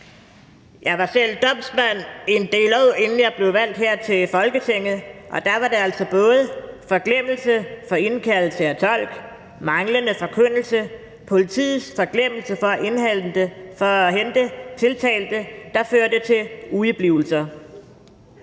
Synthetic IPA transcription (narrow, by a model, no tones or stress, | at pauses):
jɑ̈ɪʋɑ̈sel̰d̥ɒ̽m̰smæn̰e̝nd̥e̝̰ːlo̰e̝nn̩jɑ̈ɪb̥le̝ʊʋæl̰d̥ɦeɐ̰t͡sʰe̝fɒ̽lɡ̥ət͡sʰeŋ̰ð̩ˠʔɒ̽d̥ɑʋɑ̈de̝æl̰sɒ̽b̥ɔ̽ːð̞̩ˠfɒ̽ɡ̥lem̰l̩səfɒ̽e̝nkʰæll̩səæt͡sʰɒ̽l̰ɡ̥ | mɑ̈ŋlənəfɒ̽kʰøn̰l̩sə | pʰo̝lit͡sʰḭːð̩ˠsfɒ̽ɡ̥lem̰l̩səfɒ̽ʔe̝nhæl̰d̥əfɒ̽ɦend̥ət͡sʰe̝lt͡sʰɛ̰ːld̥əd̥ɑ̈føːɐd̥ət͡sʰe̝luib̥liʊl̩sɐ